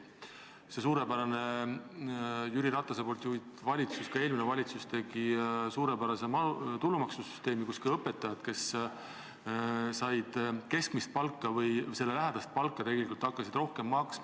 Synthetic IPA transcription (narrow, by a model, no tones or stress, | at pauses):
se̞s̬uːɾe̞bæɾɑne̞ | jyɾiɾɑt̪ːˑɑsepo̞lt̪juid̪vɑlʲit̪suskɑe̞ːlminevɑlʲit̪sust̪e̞ɡ̥isuːɾe̞bæɾɑse̞mɑt̪ulːumɑksusy̥st̪e̞ːmikuskilɤpːe̞t̪ːˑɑjɑd̪̥ke̞s | sɑjd̪̥ke̞skmist̪̚pɑlkːˑɑvɤjse̞lːe̞læɦæd̪̥ɑst̪̚pɑlkːˑɑt̪e̞ɡelikult̪ːˑɑkːˑɑsid̪̥ro̞hkemːɑks